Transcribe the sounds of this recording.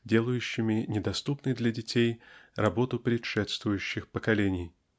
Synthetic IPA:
dʲe̞lˠʊjʉɕːɪmʲɪnʲɪd̪ɐst̪upnɨjd̪lʲɐdʲɪtʲejrɐbo̞t̪ʊpɾʲɪʂɛt̪st̪vʊjʉɕːɪxpəkɐlʲenʲɪj

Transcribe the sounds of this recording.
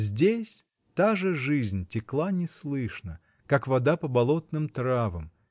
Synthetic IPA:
zʲdʲesʲ | t̪aʐɨʐɨzʲnʲtʲɪklˠanʲɪslˠɨʂnə | kakvɐd̪apəbɐlˠot̪nɨmt̪ɾavəm

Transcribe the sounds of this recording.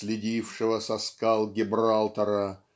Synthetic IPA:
sʲlʲɪdʲifʂɨvəsɐskɑlˠɡʲɪbralˠt̪ɐɾə

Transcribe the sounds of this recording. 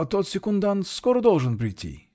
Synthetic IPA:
ɐt̪ot̪sʲɪkund̪anskoɾəd̪olˠʐɨnpɾʲɪjtʲʰːḭ

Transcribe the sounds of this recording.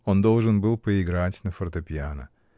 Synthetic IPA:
ond̪olˠʐɨnbɨlˠpəɪɡɾatʲnəfərt̪ɐpʲɪanə̰

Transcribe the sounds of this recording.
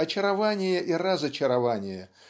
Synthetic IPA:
ɐt͡ɕɪɾɐvanʲɪjəʔirəzɐt͡ɕɪɾɐvanʲɪjə

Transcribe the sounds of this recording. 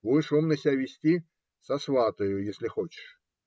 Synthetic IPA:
vɔjʂɔmnɐsʲavʲɪsʲtʲi | sɐsvat̪ɐjʊjesʲlʲɪxot͡ɕɪ̥ʂ

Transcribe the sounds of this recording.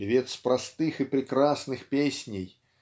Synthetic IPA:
vʲet̪spɾast̪ɨxɨpɾʲɪkɾasnɨxpʲesʲnʲɪj

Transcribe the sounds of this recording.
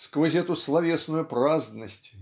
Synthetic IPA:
skvɐzʲɛt̪ʊslˠavʲesnʊjʊpɾazd̪nəsʲtʲ

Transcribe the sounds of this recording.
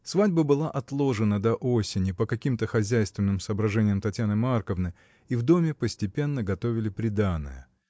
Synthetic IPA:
svadʲbəbɨlˠaʔɐt̪lˠo̞ʐɨnəd̪ɐʔosʲɪnʲɪpəkɐkʲimt̪əxɐzʲæjst̪vʲɪnːɨmsəːbɾɐʐɛnʲɪjəmt̪ɐtʲjanɨmarkəvnɨ | ivd̪o̞mʲɪpəsʲtʲɪpʲe̞nːəɡɐt̪o̞vʲɪlʲɪpɾʲɪd̪anːə̰jə

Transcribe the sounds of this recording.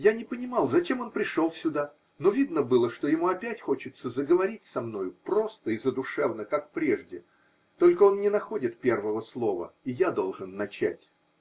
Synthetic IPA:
janʲɪpənʲɪmɑlˠzɐt͡ɕe̞mo̞npɾʲɪʂo̞lˠsʲʊd̪a | no̞vʲid̪nəbɨlˠəʂt̪o̞jɪmuɐpʲætʲxo̞t͡ɕɪt̪səzəɡəvɐɾʲit̚ʲsɐmno̞jʊpɾo̞st̪əizəd̪ʊʂɛvnəkak̚pɾʲe̞ʐdʲɪ | t̪o̞lʲkəo̞nnʲɪnɐxo̞dʲɪt̪̚pʲe̞rvəvəslˠo̞və̰ijad̪o̞lˠʐɨnːɐt͡ɕæ̰tʲ

